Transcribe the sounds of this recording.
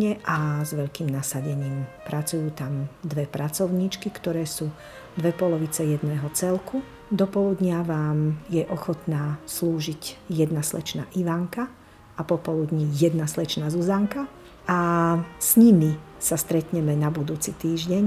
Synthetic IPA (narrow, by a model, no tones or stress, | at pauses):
ɲɛʔazʋɛʎkiːmnasaɟɛɲiːmpɾʔat͡sujuːt̪amd̪ʋɛpɾat͡sɔʊɲiːt͡ʃkikt̪ɔɾɛːsuː | d̪ʋɛpɔlɔʋit͡sɛjɛd̪nɛːɦɔt͡sɛlkʰu | d̪ɔpɔlud̪ɲɪaʋaːmjɛʔɔxɔt̪naːsluːʒiɟjɛd̪naslɛ̰t͡ʃna̰ːʔiʋaŋka | apɔpɔlud̪ɲijɛd̪naslɛt͡ʃnaːzuzaŋka | ʔasɲimi | sast̪ɾɛt̪ɲɛmɛnabud̪uːt͡sit̪iːʒɟɛɲ